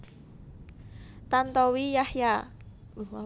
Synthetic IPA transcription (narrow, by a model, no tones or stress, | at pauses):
t̪ant̪ɔwijahja | a